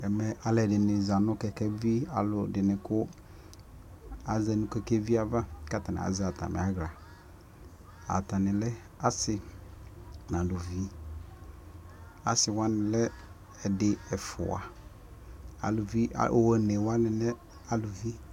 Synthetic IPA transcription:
ɛ˨mɛ˨a˨lɛ˨dɪ˨nɪ̃˨za˨nʊ̃˦kɛ˨kɛ˦vi˦a˨lʊ˨dɪ˨nɪ̃˨kʊ˦ | a˨zɛ˨nũ˨kɛ˦kɛ˦vi˦a˨va˦ka˦ta˨nɪ̰˨a̰˨za˨tʰa̰˨mɛ̰˨a˦ɣla˨ | a̰˨ta˨nɪ̃˨lɛ˦ | a˦sɪ˨ | nã˨lʊ˨vi˦ | a̰˨sɪ˨wã˦nɪ̃˨lɛ˦ | ɛ˨dɪ˨ɛ˨fʊ̰˨a̰˨ | a̰˨lʊ˨vi˦a̰˨ʔo˨ɛ˨nɛ˨wã˦nɪ̃˨nɛ˦ | a˨lʊ˨vi˦

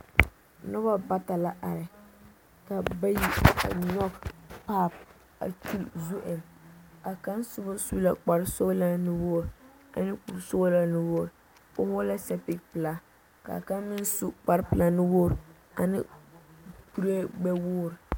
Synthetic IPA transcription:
nʊ˦ba˦ba˦ta˨la˦ʔa˨ɾɪ˨ | ka˨ba˦ji˦a̰˨ɲɔ˦ɡpa˦˨p̚ | a̰˨t͡ʃu˦lzu˦ʔɪ˨na˨ka˦nsʊ˦bʊ˦su˦la˨k͡pa˨ɾso˦la˦nɪ˦woː˦˨ɾ | a̰˨nɪ˦ku˨lso˦la˦nɪ˦woː˦˨ɾ | pʊ˦hʊ˦la˦sɛ˦pɪ˦kpɪ˨la˨ | ka̰˨ka˦mɪ˦nsu˦k͡pa˨ɾpɨ˨la˨nɪ˦woː˦˨ɾ | a˨nɪ̰˦ | pu˦ɾe˦ɡ͡bɛ˦woː˦˨ɾ

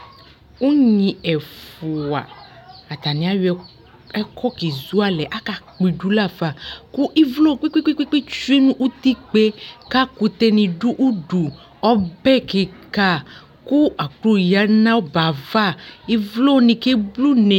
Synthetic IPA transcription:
u˦ɲĩ˨ɛ˨fu˨a̰˨a˨t̪a˨nĩ˨˦a˦j | ɛ˦kʰɔ˦ki˨zu˦a˦lɛ˨ʔa˦ka˨k͡pi˨ɖu˦la˦va˨ku˦ʔi˦vlo˦˨k͡pi˦ki˦ki˦ki˦k͡pi˦t͡ʃu˦i˦nũ˦ʔu˦t̪i˦k͡pe˦ka˦ku˨t̪ɛ˦nĩ˨ɖu˦ʔu˦ɖu˨ | ɔ˦bɛ˦˨ke˨ka˦ | ku˦a˨k͡plu˦˨ja˦nã˦wo˦ba˨va˦˨i˦vlo˦nĩ˨ke˦blu˦nẽ˨

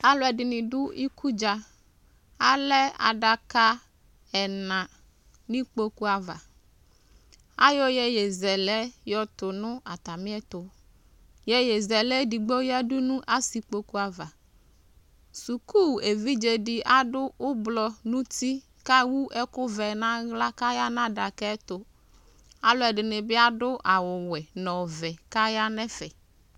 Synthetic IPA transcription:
a˦lɔ˨˦ɛ˨ɖɪ˨nĩ˨ɖʊ˦i˦ku˦d͡ʒa˨ | a˦lɛ˦a̰˨ɖa˨ka˦ | ɛ˨nã˨ | nĩ˦k͡po˦ku˦a˨va̰˨ | a̰˦jɔ˦jɛ˦jɛ˨zɛ˨lɛ˦jɔ˦t̪ʊ˨nʊ̃˦a˨t̪a˨mĩ˦ɛ˦t̪o˨ | jɛ˦je˨zɛ˨lɛ˦di˨ɡ͡bo˦ja˦du˦nũ˦ʔa˦si˨k͡po˦ku˦a˨va˨ | su˨ku˦˨e˨vi˦d͡ʒe˨ɖɪ˨ʔa˦ɖʊ˦ʊ˦blɔ˦nũ˦t̪i˦ | ka˦wu˦ʔɛ˦kʊ˦vɛ˨nã˦ɣla˦ka˦ja˦nã˦ɖa˨kɛ˦t̪ʊ˦ | a˦lʊ˦ɛ˨ɖɪ˨nɪ˨bɪ˦a˦ɖʊ˦ʔa˨wʊ˨wɛ˨nɔ̃˨vɛ˨ka˦ja˦nɛ̃˦fɛ˨

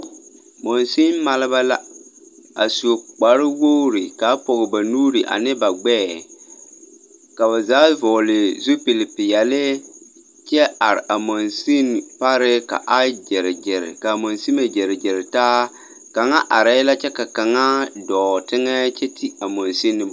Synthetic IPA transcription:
mo˨nsi˦nma˦lɪ˦ba˦la˦ | a˨su˨k͡pa˨ɾɪ˦wo˦ɾi˨ka˨˦pɔ˨ɣɪ˨ba˨nuː˦ɾi˨ʔa̰˨nɪ˦ba˨ɡ͡bɛː˦˨ | ka˨βa˨zaː˨˦vɔ˨lɪ˨zu˦pi˨lɪ˨pɪ˨jɛ˨lɪ˦ | t͡ʃɛ˦a˨ɾɪ̰˨ʔa˨mɔ˨nsi˦npa˦ɾɪ˦ka̰˨ʔa˦d͡ʒɪ˨ɾɪ˨d͡ʒɪ˨ɾɪ̰˨ka˨mo˨nsi˦ma˨d͡ʒɪ˨ɾɪ˨d͡ʒɪ˨ɾɪ˨taː˦ | ka˨ŋa˦ʔa˨ɾɛ˦la˦t͡ʃɛ˦ka˨ka˨ŋa˦dɔː˨tɪ˦ŋɛ˦t͡ʃɛ˦tʰi˦a˨mo˨nsi˦nːɪ˦

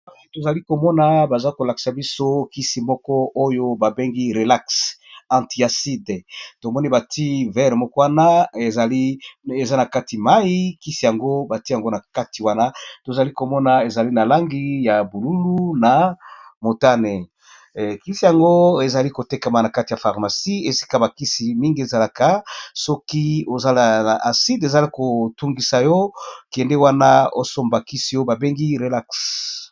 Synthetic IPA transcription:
a˦si˨to˨za˨li˦ko˨mɔ˦na˨ba˨za˦ko˨la˨ki̥˨sa˨bi˦so˦ki˦si˨mɔ˦kɔ˦ʔo˦jo˦ba˨be˦ŋɡi˦ʁe˨la˦ksã˨ti˨a˨si˦dto˨mɔ˦ni˦ba˨ti˦vɛ˦ʁmɔ˦kɔ˦wa˦na˦e˨za˨li˦e˨za˦na˨ka˦ti˨ma˦i˦ki˦si˨ja˨ŋɡo˦ba˨ti˦a˨ŋɡo˦na˨ka˦ti˨wa˦na˦to˨za˨li˦ko˨mɔ˦na˨e˨za˨li˦na˨la˦ŋɡi˦ja˨bu˨lu˦lu˦na˨mo˨ta˦ne˨ | ki˦si˨ja˨ŋɡo˦e˨za˨li˦ko˨te˦ka˨ma˨na˨ka˦ti˨ja˨fa˨ʁma˨si˦e˨si̥˦ka˦ba˨ki˦si˨mi˦ŋɡi˨e˨za˨la˦ka˨sɔ˦ki˦o˨za˦la˨na˨ʔa˨si˦de˨za˨li˦ko˨tu˦ŋɡi˨sa˨jo˦kɛ˨nde˦wa˦na˦o˦so˦mba˨ki˦si˨jo˦ba˨be˦ŋɡi˦ʁe˨la˦ks

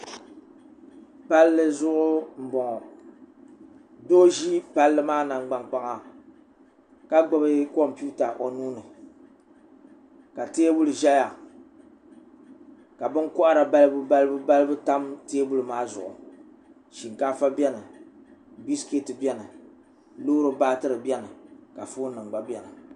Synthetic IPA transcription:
pa˦lːɨ˦zʊ˦ʔʊ˦m̩˨bɔ˨ŋɔ˨ | do˦ʒi˦pa˦lːɨ˦maː˦na˨ŋɡ͡ba˨ŋk͡pa˦ŋa˨ | ka˦ɡ͡ba˦bɨ˦kɔ˦mpu˦ta˨ʔo˨nuː˦nɨ˨ | ka˨teː˦bu˦lɨ˨ʒa˦ja˨ | ka˨bɨ˦ŋkʊ˦ʔa˦ɾa˨ba˦lɨ˦bɨ˦ba˦lɨ˦bɨ˦ba˦lɨ˦bɨ˦ta˦mteː˦bu˦lɨ˨maː˦zʊ̰˨ʔʊ̰˨ | ʃi˨ŋka˦fa˦bʲɛ˦nɨ˨ | bi˦ske˦tɨ˨bʲɛ˦nɨ˨ | loː˦ɾɨ˦baː˦tɨ˦ɾɨ˨bʲɛ˦nɨ˨ka˨foː˦nɨ˨ŋ͡mɡ͡ba˦bʲɛ˦nɨ˨

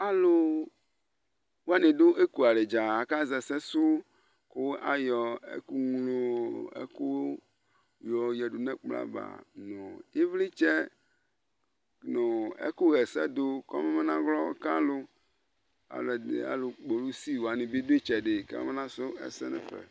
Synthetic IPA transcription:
a˦lo˦ | wo˦a˦nẽ˨do˦ʔe˦ku˨a˨ɖe˨d͡ʒa˨a˨ka˦zɛ˨sɛ˦su˦ | ko˦a˨jɔ˨ḛ˦ku˦ŋu˦lo˦ḛ˦ku˦ | jɔ˨jɛ˨ɖu˨nɛ̃˦k͡pla̰˦˨ba̰˨nõ˨je˦vli˦t͡ʃɛ˦ | nõ˨ḛ˦ku˦ɣɛ˨sɛ˦d̪o˦kɔ̰˦me˦me˦nã˦ɣlɔ˦ka̰˦lo˦ | a̰˨lo˨dḛ˨a̰˨lo˨k͡po˨lu˦si˦wo˨a˨nẽ˨be˦d̪o˦e˦t͡ʃɛ˨ɖe˨ka̰˦me˦nã˦so˦ɛ̰˨sɛ˦nɛ̰̃˨ɸɛ̰˨

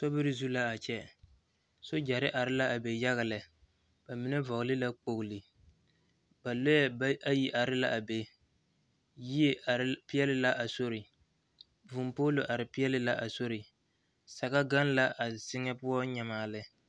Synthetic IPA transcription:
sɔ˦bɪ˦ɾɪ˦zu˦la˦a˨t͡ʃɛ˦ | so˦d͡ʒa˨ɾɪ˦ʔa˨ɾɪ˦la˦ʔa˨be˨ja˦ɣa˨lɪ˨ | b̥a˨mɪ˦nɛ˦vɔ˨ɣlɪ˦la˦k͡po˨ɡʊ˨lɪ˨ | ba˨lo˦jɛ˦ʔa˦ji˦ʔa˨ɾɪ˦la˦ʔa˨be˨ | ji˦e˦˨pɪ˦ɛ˦lɪ˦la˦ʔa˨so˦ɾɪ˨ | vu˨mpoː˦lo˨ʔa˨ɾɪ˨pɪ˦ɛ˦lɪ˦la˦ʔa˨so˦ɾɪ˨ | sa˨ɣa˦ɡa˦n˦la˦ʔa˨sɪ˦ŋɛ˦pʊ˦ɔ˦ɲɛ˨maː˨lɪ˦

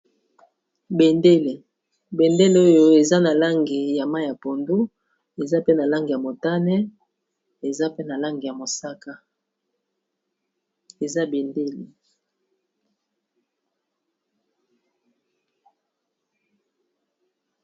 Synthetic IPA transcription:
be˨nde˦le˨ | be˨nde˦le˨˦o˦jo˦e˨za˦na˨la˦ŋɡe˨ja˨ma˦˨ja˨po˨ndu˦ | e˨za˦pe˦na˨la˦ŋɡi˨ja˨mo˨ta˦nɛ˦ | e˨za˦pe˦na˨la˦ŋɡe˨ja˨mo˨sa˦ka˦ | e˨za˦be˨nde˦le˨

